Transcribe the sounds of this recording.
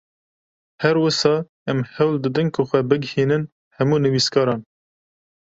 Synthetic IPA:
hɛɾwəsɑː | ɛmhɛwld̪ɨd̪ɨnkʰʊxʷɛbɨɡhiːnɨn | hɛmuːnɨviskɑːɾɑːn

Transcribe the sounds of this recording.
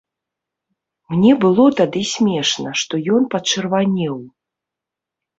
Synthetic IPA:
mnʲɛbɨlˠɔt̪ad̪ɨsʲmʲɛʂnɐʂt̪ɔjɔnpɐt͡ʂɨrvanʲɛw

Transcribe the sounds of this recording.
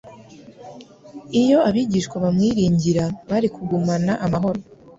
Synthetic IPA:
ijo̞aβiːɟiːʃkwaβamŋiːɾiːɲɟiɾaβaɾikʰuɡumanaʔamaɦo̞ɾo

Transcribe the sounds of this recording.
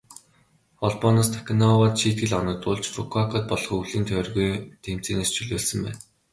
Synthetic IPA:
ɔɮpɔnɔst̪ʰḁkʲʰnɔwat̪ʃiːt̪̚ɡɘ̆ɮɔnɞ̆t̪ʊɮt͡ɕfukʰakʰɔt̪̚pɔɮɞ̆χuɮiːnt̪ʰœːrɣujt̪ʰem̥t͡siːneːst͡ɕʰɵɮoːɮsə̆mpæ̰ːn

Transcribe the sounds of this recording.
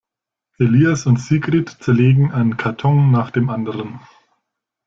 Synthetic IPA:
ʔeliːasʊntz̥iːɡʁ̥itt͡sɛɐleːɡŋ̩ʔaɪnənkʰaɐtʰɔŋnaːχd̥eːmʔandəʁən

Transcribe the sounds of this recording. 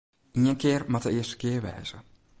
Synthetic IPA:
iənkɪːrmatəɪəstə̥kɪərʋɛ̰ːz̥ə

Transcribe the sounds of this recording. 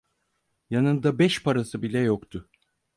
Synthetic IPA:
janɯnd̪abɛʃpʰaɾasɯbilʲɛjokt̪ʰʊ

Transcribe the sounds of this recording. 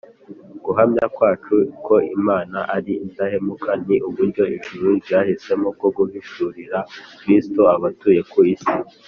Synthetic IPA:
ɡ̥uɦamɲakwaːt͡ʃukʰo̞imaːnaʔaɾiːntahe̞mukʰaniʔuβuɾɟo̞inʒuɾuzjaːhise̞mokoɡuhiʃuːɾiɾakɾistoaβatuːje̞kuisi

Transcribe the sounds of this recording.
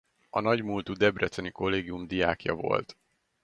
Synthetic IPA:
ɒnɒɟmult̪ud̪ɛbrɛt̪sɛniko̞lːeːɡijumd̪ijaːkjɒ̰vo̞̰lt̪

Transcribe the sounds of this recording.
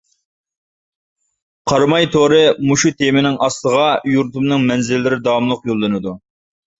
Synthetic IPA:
qʰɑɾmɑjt̪ʰoɾɨmuʃut̪ʰemɪnɪŋɑst̪ˠəʁɑjuɾt̪umnɨŋmɛnzɪlːɪɾɪd̪ɑmlˠʊqjolˠːɨnɨd̪u

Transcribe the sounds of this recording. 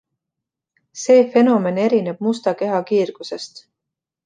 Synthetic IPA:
se̞ːfe̞no̞me̞ne̞ɾineb̥̚must̪ɑke̞ɦɑkiːrɡ̥use̞st̪

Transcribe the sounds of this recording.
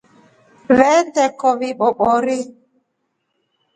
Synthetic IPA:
vɛndɛkɔβiɓɔɓɔɾi

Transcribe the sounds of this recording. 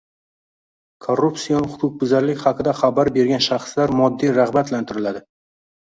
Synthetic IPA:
kʰorːupsijɒnχʊkʰʊq̚bɪzaɾlɪkʲχɑqʰɨd̪aχabaɾbe̞ɾɡʲanʃaχslaɾmɒd̪ːijɾaʁbat̪lant̪ʰɪɾɪlad̪ɪ

